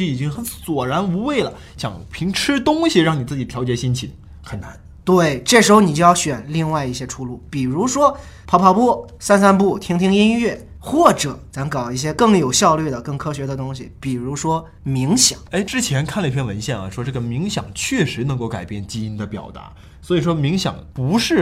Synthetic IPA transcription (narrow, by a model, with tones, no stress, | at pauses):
i˧˥i˨˩t͡ɕi˥ŋxə˧˥nswɔ˨˩ɻa˧˥nu˧˥we˥˩ɪlə̰˩ | ɕjɑ̰˨˩˦ŋpʰi˧˥ŋʈ͡ʂʰɻ̩˥t̪ʊ˥ŋɕi˨ɻɑ˥˩ŋni˨˩t͡sɹ̩˥˩t͡ɕi˨˩t̪ʰjɑ˧˥ʊt͡ɕjɛ˨˩ɕi˥nt͡ɕʰi˨˩ | xə˨˩nna̰˧˥n | t̪we˥˩ɪʈ͡ʂɤ˥˩ʂɻ̩˧˥xo˧ni˨˩t͡ɕjo˥˧jɑ˥˧ʊɕɥɛ˨˩nli˥˧ŋwa˥˧ɪi˥˩ɕjɛ˥ʈ͡ʂʰu˥˧lu˥˩pi˨˩ɻu˧˥ʂwɔ˥ | pʰɑ˧˥ʊpʰɑ˧˥ʊpɔ˥˩ | sa˥˧nsa˥npu˥˩t̪ʰi˥ŋt̪ʰi˥ŋi˥nɥɛ˥˩xwɔ˥˩ʈ͡ʂɤ˨˩˦t͡sa˧˥ŋkɑ˨˩ʊi˥˩ɕ̬jɛ˥kɤ˥˩ŋjo˨˩ʊɕjɑ˥˧ʊlɥɛ˥˩d̪ə˩kɤ˥˩ŋkʰɤ˥ɕɥɛ˧˥d̪ə˧t̪ʊ˥ŋɕḭ˨pi˨˩ɻu˧˥ʂwɔ˥ | mi˧˥ŋɕjɑ̰˨˩˦ŋe˥˩ɪʈ͡ʂɻ̩˥t͡ɕʰjɛ˧˥nkʰa˥˩lə˧i˥˩pʰjɛ˥nwə˧˥nɕjɛ˥˩nə̰˨˩ʂwɔ˥ʈ͡ʂɤ˥˩ɡə˩mi˧˥ŋɕjɑ̰˨˩ŋt͡ɕʰɥɛ˥˩ʂɻ̩˧˥nɤ˧˥ŋko˥˩ʊka˨˩ɪpjɛ˥˩nt͡ɕi˥i˥nd̪ə˨pjɑ̰˨˩ʊt̪a̰˧˥ | swɔ˧˥i˨˩ʂwɔ˥mi˧˥ŋɕjɑ̰˨˩˦ŋpu˧˥ʂɻ̩˥˩